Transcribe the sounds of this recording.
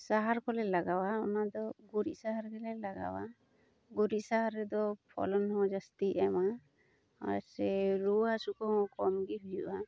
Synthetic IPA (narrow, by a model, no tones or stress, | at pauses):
saɦaɾkɔlɛlaɡawaɔnad̪ɔɡuɾiʔsaɦaɾɡɛlɛlaɡa̰wa̰ | ɡuɾisaɦaɾɛd̪ɔpʰɔ̰lɔnhɔ̃d͡ʒast̪iɛma | a̰sɛɾuwasukɔɦɔ̃kɔmɡiɦud͡ʒuʔa